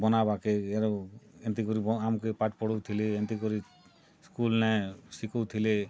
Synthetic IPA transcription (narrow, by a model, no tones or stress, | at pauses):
bɔnabakeeɾɔent̪̬ikɔɾibɔamkepaʈ̚pɔɽɔwt̪ʰileent̪ikɔɾi | skulnɛsikɔwt̪ʰile